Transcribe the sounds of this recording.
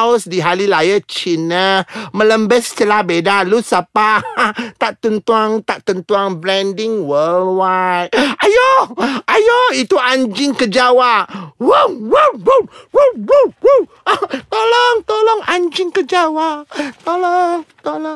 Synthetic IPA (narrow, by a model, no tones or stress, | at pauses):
wsdiɦalilajət͡ʃinəmə̃ləmbəst͡ʃəlabedalusapat̪aʔt̪unt̪uaŋt̪aʔt̪ənt̪uaŋblɛndɪŋwəlwajt̪̚ʔajɔajɔit̪uãɲd͡ʒɪŋkəd͡ʒawaʔwəwəwuwowwuwu | t̪olɔŋt̪olɔŋãɲd͡ʒɪŋkəd͡ʒawaʔt̪olɔŋt̪olɔ